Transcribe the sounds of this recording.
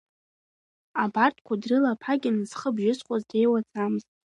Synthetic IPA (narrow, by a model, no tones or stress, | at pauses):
abartʰʼkʷʰadrɨlapʰaɡʲɪnɨz̥χəbʒɪsχʷʼazde̞jwat͡sʰʼamɨztʼ